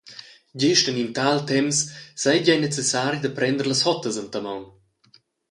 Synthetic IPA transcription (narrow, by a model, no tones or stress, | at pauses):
ɟɪʃtənint̪alt̪ɛmsːajɟajnet͡sesaɾjd̪ɐpɾɛnd̪əɾləshɔt̪əzənt̪amawn